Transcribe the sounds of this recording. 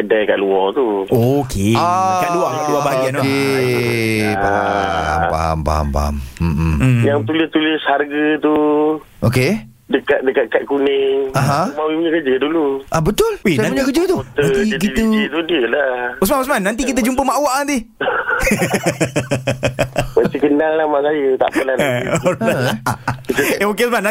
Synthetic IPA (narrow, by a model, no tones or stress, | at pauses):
kədajkaʔluɔt̪u | okʰeakaduakaʔduabaaɡianoke | bamba̰mba̰mba̰m̩jaŋt̪ulɪst̪ulɪsharɡət̪u | ʔoke | dəkat̪̚dəkat̪̚kat̪̚kunɪŋaɦãmawipuɲəkəd͡ʒəduluʔabət̪ʊlweapɲəkəd͡ʒət̪uot̪əant̪iikilut̪udiəlaəs̬manasmanːant̪̬ikit̪̬əd͡ʒumpəmaʔwaʔand̪i | mət̪ikənalːahmaʔsajət̪a̰ʔəla | a | eokeəs̬mana